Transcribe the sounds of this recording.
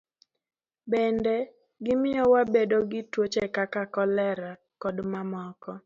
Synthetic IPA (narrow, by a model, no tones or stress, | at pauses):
bɛndɛ | ɡɪmɪjɔwabedoɡɪtwot͡ʃekakakɔlɛɾa | kɔdmamɔkɔ